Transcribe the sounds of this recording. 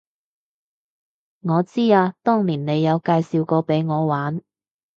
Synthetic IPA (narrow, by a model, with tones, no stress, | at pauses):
ŋɔː˨˧t͡siː˥aː˧t̪ɔː˥ŋliː˨˩nne˨˧jːɐ˨˧wkaː˧jsiː˨˧wkɔː˧pe˨˥jŋɔː˨˧waː˨˥n